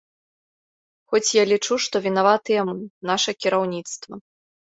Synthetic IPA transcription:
xɔt͡sʲjalʲit͡ʂuʂt̪ɔvʲin̪avat̪ɨjɛmɨnaʂɐkʲiɾawnʲit̪st̪vɐ

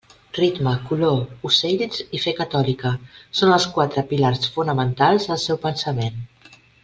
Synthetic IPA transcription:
rit̪məkulousejlzifekət̪ɔlikəsonəlˠskwat̪ɾəpilaɾsfunəmənt̪alˠzəlˠsɛwpənsəmen

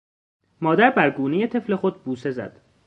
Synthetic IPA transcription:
mɒːd̪æɾbæɾɡuːneje̞t̪ʰe̞fle̞xo̞d̪̚buːse̞zæ̰d̪̥

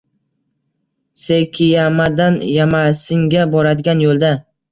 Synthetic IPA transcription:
sekʲʰɪjamad̪anjamasɪŋɡʲabɒɾad̪ɪɡʲanjolˠd̪a

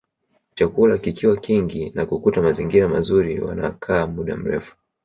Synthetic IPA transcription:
t͡ʃakulakikiwakiŋɡinakukutamaziŋɡiɾamazuɾiwa̰na̰kʰaːmuɗa̰m̩ɾɛ̰fu̥

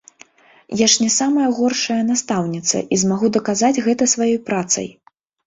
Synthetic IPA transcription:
jaʂnʲɛsamɐjɐɣɔrʂɐjɐnast̪awnʲit̪sɐ̰ʔizmaɣud̪ɐkazad͡zʲɣɛt̪ɐsvajɔjpɾat̪sɐ̰j

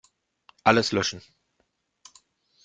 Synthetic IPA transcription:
ʔaləslœʃn̩

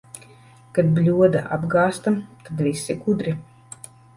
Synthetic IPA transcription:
kad̪̚blʲuɔd̪aʔa̰bɡaːst̪at̪ad̪vʲisiɡud̪ɾi

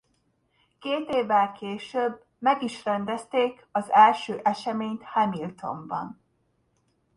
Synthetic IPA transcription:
keːt̪eːvːɛlkeːʃøb | mɛɡiʃrɛnd̪ɛst̪eːk | ɒzɛlʃøːʔɛʃɛmeːɲt̪hɛmilt̪o̞̰mbɒ̰n

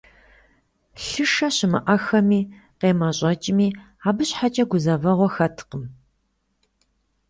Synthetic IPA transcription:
ɬɨʂɐɕɪmɨʔɐxɐmiː | qeːmɐɕʼɐt͡ʃʼɪmiː | aːbɨɕħat͡ʃʼɐɡʷʊzɐvɐʁʷɔxɐtʰqəm

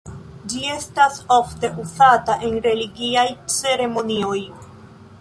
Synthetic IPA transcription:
d͡ʒie̞staso̞fte̞ʔuzataʔe̞nɾe̞liɡiajt͡se̞ɾe̞mo̞nio̞j

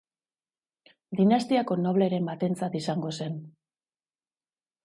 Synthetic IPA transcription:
d̪inast̪iako̞no̞β̞le̞ɾe̞mbat̪e̞nt͡sat̪isaŋɡo̞se̞n

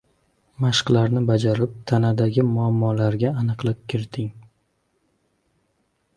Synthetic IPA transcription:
maʃqlaɾnɪbad͡ʒaɾɪp̚t̪ʰanad̪aɡʲɪmʊamːɒlaɾɡʲaːnɨqlˠɪp̚kʲʰɪɾt̪ʰɪŋ

